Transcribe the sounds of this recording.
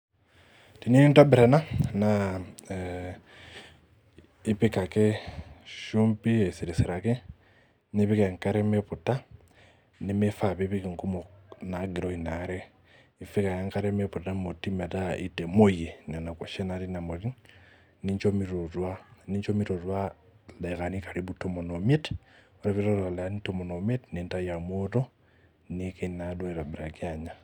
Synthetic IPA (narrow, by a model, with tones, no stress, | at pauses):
ti˨ne˦ni˦nto˦bi˨ɾe˨na˦na | i˦pika˨ke˦ | ʃuːmpi˦esi˨ɾisiɾa˨ke˦ | ni˦βi˦ke˨ŋka˦ɾemepu˨ta | ni˦me˦fa˨βeβiki˨ŋku˦mona˨ɡi˨ɾo˨i˨na˨ɾe˦ | i˨fi˦ka˨ja˦ŋkaɾemepu˨tamo˨ti˦me˨ta˦ḭ˦te˨mo˦je˨na˨na˨ko˨ʃe˦na˨ɾi˦na˨mo˨ɾi˦ŋ | ni˦ɲt͡ʃo˦miɾo˨twa˦ni˦ɲt͡ʃo˦mi˦ɾo˨ɾwa˦ | leka˨ni˦ka˨ɾi˦bu˦to˦mo˨nome˦t | oɾa˨βiɾo˦ɾa˨le˨a˦nito˦mo˨no˨me˦tne˨nta˦ja˨moto˦ | nikenadwa˦e˨ɾa˨bi˨ɾa˨ki˦aɲa